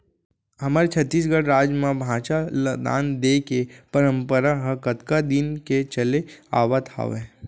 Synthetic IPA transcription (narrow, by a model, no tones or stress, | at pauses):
ɦɐmaːɾet͡ʃʰɐt̪ːiːs̬ɡəɽɾaːd͡ʒmãbʱãːt͡ʃaləd̪a̰ːnd̪eːkepəɾə̃mpəɾaɦəkət̪kad̪ɪnket͡ʃəlea̰ːʋat̪ʰa̰ːʋɛ̃ː